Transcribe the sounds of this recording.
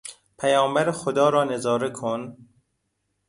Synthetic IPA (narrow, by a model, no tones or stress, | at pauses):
pʰæjɒːmbæɾexod̪ɒːɾɒːne̞zɒːɾekʰon